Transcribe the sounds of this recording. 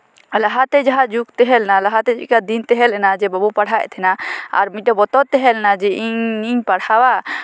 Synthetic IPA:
laɦat̪ɛd͡ʒaɦad͡ʒukt̪ɛɦɛlnalaɦat̪ɛd͡ʒḭkad̪int̪ɛɦɛlɛnad͡ʒɛbabupaɽɦaj̰t̪ʰɛnaa̰ɾmiʈabɔt̪ɔt̪ːɛɦɛlɛnad͡ʒɛʔiɲiɲpaɽhawa

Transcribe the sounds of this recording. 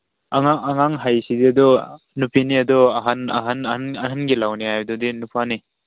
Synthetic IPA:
aŋaŋʔaŋaŋɦajsidiad̪ɔ | nupʰiniad̪ɔaɦana̰ɦannaɦanɡilawniajdɔdinupʰani

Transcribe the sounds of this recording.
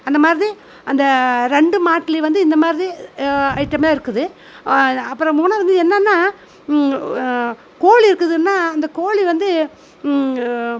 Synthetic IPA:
ɐnd̪ɐmaːɾði | ɐnd̪ɐɾɛɳɖɯmaːʈːɪliʋɐnd̪ɯɪnd̪ɐmaːɾðiɐɪʈːɐmeaːɪɾɯkːɯðɯ | ɐpːɯɾɐ̃muːnaːʋɐnd̪ɯɛnːɐnːaː | koːliɪɾɯkːɯðɯnːaːɐnd̪ɐkoːɭiʋɐnd̪ɯ

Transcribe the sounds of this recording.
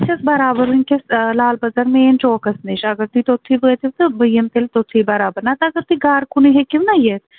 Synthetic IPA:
t͡ʃʰɐsbɐɾaːbəɾunkeslaːlbɐzɐɾmeːnt͡ʃoːkɐsneʃɐɡəɾt̪it̪ot̪ʰːibəet̪iʋt̪ɨbəjɐmt̪elt̪ot̪ʰːibɐɾaːbɐɾnat̪ɐɡəɾt̪iɡaːɾkʰʊniɦekɪʋnajeːs

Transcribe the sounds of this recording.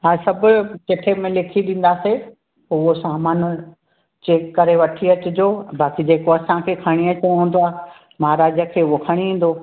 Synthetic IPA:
ɦaːsɐbʊkɪʈʰemẽlɪkʰiɗĩːn̆d̪aːse | ʊɦosaːmaːn | d͡ʑeːkːɐɾeʋɐʈʰiɐt͡ɕʊd͡ʑoːbaːkid͡ʑeːkoɐsãkʰeːkʰɐɽ̃iɐt͡ɕɐɽɦũːn̆d̪oaː | maɦɾaːd͡ʑəkʰeːʊɦokʰɐɽ̃iĩːn̆d̪o

